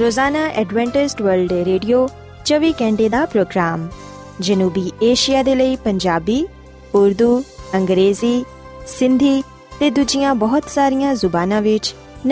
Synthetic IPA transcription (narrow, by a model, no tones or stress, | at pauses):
ɾoːzaːnaːʔɛːɖʋɛ̃ːɳʈɪsʈʋəɾlɖɾeːɖijoː | t͡ʃəʋiːkɛ̃ːɳɖeːd̪aːpɾoːɡɾaːm | d͡ʒənuːbiːʔeːʃijaːd̪eːləiːpəɲd͡ʒaːbiː | ʊɾd̪uːə̃ŋɡɾeːziː | sɪ̃nd̪ʱiː | t̪eːd̪ʊd͡ʒɪjãːbɔːʊt̪saːɾɪjãːzʊbaːnãːʋɪt͡ʃ | n